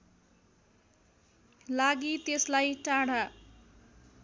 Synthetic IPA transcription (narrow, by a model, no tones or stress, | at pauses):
laɡit̪eslajʈaɽa